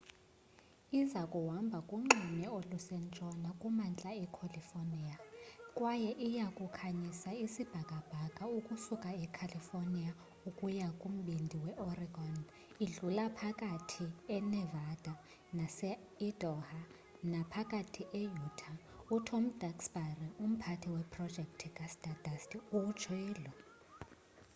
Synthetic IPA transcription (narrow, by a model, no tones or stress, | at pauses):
izakʼuwambʱakʼuŋ͡ǁiɲɛolusɛnt͡ʃʼɔnakʼumant͡ɬʼaɛkʰolifoniakʼwajɛʔijakʼukʰaɲisaisib̥ʱakʼab̥ʱakʼaukʼusukʼaɛkʰalifornia | ukʼujakʼum̩ɓindʱiwɛʔɔriɡɔn | iɮulapʰakʼatʰiɛnɛvad̥ʱa | nasɛ | id̥ʱɔha | napʰakʼatʰiʔejutʰa | utʰɔm̩d̥aksbarium̩pʰatʰiwɛpʰrɔd̥ʒ̥ʱɛkʼtʰikʼasd̥ad̥ʱastiut͡ʃʰwɛːlɔ